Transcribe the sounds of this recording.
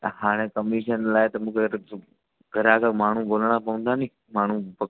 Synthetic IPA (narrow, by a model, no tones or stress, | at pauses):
haːɽ̃ẽkəmiʃənlaːɪt̪ɐmũːkʰe | ɡʱəɾaːkamaːɳ̤ũboːlɽ̃apɐʋə̃nd̪aːnĩː | maːɳ̤ũpɐ